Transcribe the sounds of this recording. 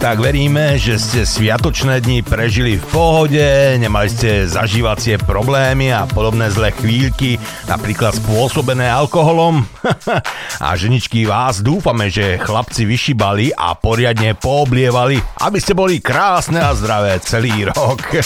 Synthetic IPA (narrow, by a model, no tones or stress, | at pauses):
t̪aɡʋɛɾiːmɛʒɛscɛsʋɪat̪ɔt͡ʃnɛːd̪ɲipɾɛʒilifpɔɦɔɟɛɲɛmaliscɛza̰ʒiːʋat͡sɪɛpɾɔblɛːmiapɔd̪ɔbnɛːzlɛːxʋiːʎki | na̰pɾiːklat̪spʊɔsɔbɛnɛːalkɔɦɔlɔm | a̰ʒɛɲit͡ʃkiʋaːzd̪uːfamɛʒɛxlapt͡siʋiʃibaliʔa̰pɔɾɪad̪ɲɛpɔːblɪɛʋaliʔa̰biscɛbɔlikɾaːsnɛazd̪ɾaʋɛːt͡sɛliːɾɔk